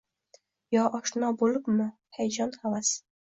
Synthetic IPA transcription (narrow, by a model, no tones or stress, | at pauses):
jɒʔɒʃnɒbolˠɪpmɪ | hajd͡ʒɒnhavas